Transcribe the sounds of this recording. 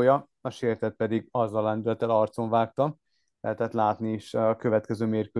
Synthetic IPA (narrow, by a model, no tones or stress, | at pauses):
jɒ | ɒʃeːrt̪ɛt̪̚pɛd̪iɡɒzːɒlːɛnd̪ylɛt̪ːɛlɒrt̪so̞ɱvaːk̚t̪ɒ | lɛ̰ɦɛt̪ɛt̪laːt̪niiʃɒkø̞vɛt̪kɛzøːmeːrkø